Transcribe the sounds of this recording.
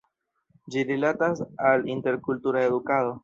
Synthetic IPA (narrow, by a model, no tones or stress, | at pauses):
d͡ʒiɾilatasalint̪e̞ɾkult̪uɾaeðukaðo̞